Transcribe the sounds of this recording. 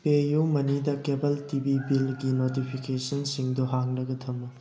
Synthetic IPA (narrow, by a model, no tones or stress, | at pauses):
pejumɐnidɐkebɐltibibilɡinotipʰikesɐnsiŋduɦaŋnɐɡɐtʰɐmːɐ